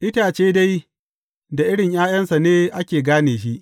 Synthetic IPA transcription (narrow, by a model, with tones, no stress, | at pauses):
ʔɪ˦taː˨t͡ʃeː˦da˦j | da˨ʔɪ˦ɽɪ˨ɲjaː˦jɐ˦nsa˨neː˦ʔa˦kʲeː˨ɡaː˦neː˨ʃi˦ʔ